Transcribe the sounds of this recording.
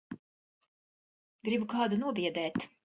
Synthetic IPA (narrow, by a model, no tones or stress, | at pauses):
ɡɾibukɑːd̪unuɔbiɛd̪ɛːt̪